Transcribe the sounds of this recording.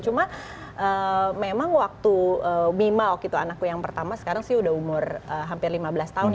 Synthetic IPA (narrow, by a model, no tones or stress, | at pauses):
t͡ʃuma | ʔəmemaŋwak̚t̪uəmimaɔkit̪uanakːujaŋpərt̪amasə̥kaɾaŋsɪudaɦumʊrəɦampɪrlimabəlast̪aɦʊn